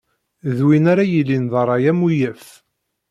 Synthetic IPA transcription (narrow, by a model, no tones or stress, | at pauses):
ðwinaɾajilːinðˤɑrˤːɑjæmujæf